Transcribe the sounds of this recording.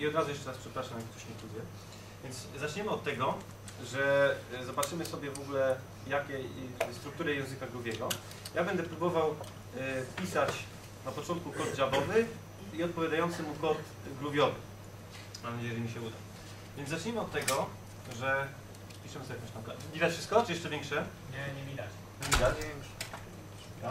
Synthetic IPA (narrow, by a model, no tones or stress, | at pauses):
iɔd̪ɾazujɛʂt͡ʂɛɾaspʂɛpɾaʂamjakkt̪ɔ̥ɕit̪luzjɛ | vʲjɛnd̪zzat͡ʂɲɛmɘɔt̪ːɛɡɔ | ʐɛzɔbatt͡ʂɘmɘsɔbʲjɛvɔɡulɛ | jakʲɛst̪ɾuk̚t̪uɾɛjɛw̃zɘkaɡɾubʲjɛɡɔ | jabɛnd̪ɛpɾubɔvaw | fpʲisat͡ɕ | napɔt͡ʂɔnt̪kukɔd͡ʑabɔvɘ | iɔt̪pɔvʲjad̪ajɔnt̪sɘmukɔt̪ | ɡɾubʲjɔvɘ | namd͡ʑɛjʐɛimʲiɕɛud̪a | vʲjɛnzat͡ʂɲɛmɘɔt̪ːɛɡɔ | ʐɛ | pʲiʂɘmɘsɔbʲɛkɔ̃ɕt̪ãmkaid̪afʂɘ̥st̪kɔt͡ʂɨjɛʂt͡ʂɛvjɛŋkʂɛ | ɲɛɲʲid̪a | ɲvʲid̪aɲɛɛŋʂ